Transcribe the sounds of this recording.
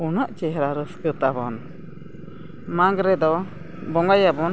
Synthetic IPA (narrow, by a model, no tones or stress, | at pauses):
unəʔt͡ʃɛɦɾaɾəskɨt̪abɔn | maŋɡɾɛd̪ɔ | bɔŋɡajabɔn